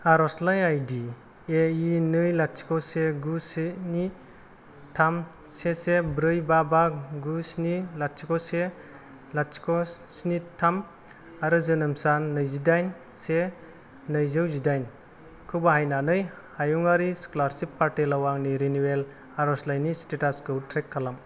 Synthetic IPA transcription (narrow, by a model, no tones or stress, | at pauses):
aɾɔslajajdi | einɯjlat̚si̥kɔseɡuseni | tʰam | sesebɾɯjbabaɡusnilat̚sikɔse | latsi̥kɔ | snitʰam | aɾɯzɯnɯmsanːɯjzidajn | se | nɯjzɯwzidajn | kʰɯbaɦajnanɯj | hajuŋaɾiskolaɾsipːaɾtelawaŋniɾinuwel | aɾɔslajnistetaskɯutʰɾekʰːalam